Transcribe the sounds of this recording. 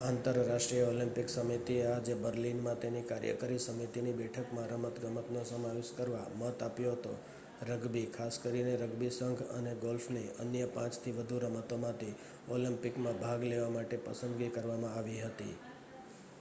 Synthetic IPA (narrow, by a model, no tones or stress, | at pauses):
ãnt̪əɾːaʃʈɾijəolɪ̃mpɪksəmit̪iead͡ʒebəɾlinmãt̪enikaɾjə̰kəɾisəmit̪inibɛʈʰəkmãɾəmət̪ɡəmət̪nosəmaʋeskəɾʋamət̪apjoɦət̪o̰ | ɾəɡbikʰaskəɾineɾəɡbisəŋɡʱə̰neɡolfneənjəpãt͡ʃt̪ʰiʋəd̪ʱuɾəmət̪omãt̪ʰi | olɪmpɪkmãbʱaɡleʋamaʈepəsənd̪ɡikəɾʋamãaʋiɦət̪ḭ